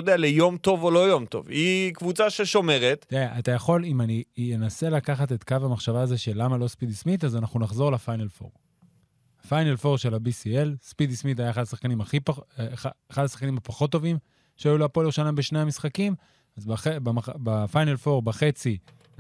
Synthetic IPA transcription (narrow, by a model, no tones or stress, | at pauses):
od̪ealejo̞mto̞volo̞jo̞mt̪o̞̰vikvut͡saʃeʃo̞me̞ʁet̪eaʔat̪ajaχo̞limanijenase̞lakaχat̪e̞t̪kavamaχʃavaːzeʃelamalo̞spid̪ismit̪azanaχnunaχzo̞ʁlafajnelfo̰ʁ | hafajnelfo̞ʁʃe̞labisielspid̪ismit̪ajaeχad̪asaχkanimaχipː | χad̪asḁχkanimapaχo̞t̪ːo̞vim | ʃeajuloapoljeʃanajmbeʃne̞amisχakim | azbaχebamabafajnelfo̞ʁbaχe̞t͡si